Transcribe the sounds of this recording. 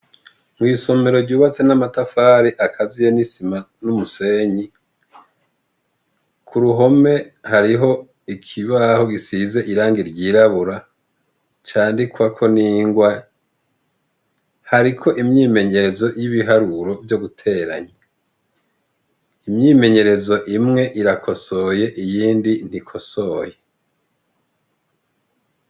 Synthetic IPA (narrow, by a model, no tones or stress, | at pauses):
mwiːso̞me̞ɾo̞ɾɟuːβat͡se̞namatafaːɾiʔakʰazijenisimanumuse̞ɲi | kʰuɾuɦo̞me̞haɾiɦo̞ | ikʰiβaho̞ɡisize̞ʔiɾaːŋɡiɾɟiːɾaβuɾa | t͡ʃaːndikwakʰo̞niːŋɡwa | haɾikʰo̞ʔimɲiːme̞ɲe̞ɾe̞zo̞jiβiɦaɾuɾo̞vjo̞ɡutʰe̞ːɾa̰ɲa | imɲiːme̞ɲe̞ɾe̞zo̞ʔimŋe̞ʔiɾakʰo̞so̞je̞ʔijiːndin̥ikʰo̞soːje